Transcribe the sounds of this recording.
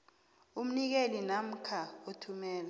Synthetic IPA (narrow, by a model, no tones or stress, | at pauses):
um̩nik̬elinam̩kʰaotʰumɛːla